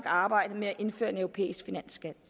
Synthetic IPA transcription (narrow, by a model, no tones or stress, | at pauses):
ɡ̥ɑ̈ːb̥ɑ̈ɪ̰d̥əmeæʔe̝nfø̰ːɐe̝nœʊʁopʰḛːisɡ̥finæn̰sɡ̥æd̥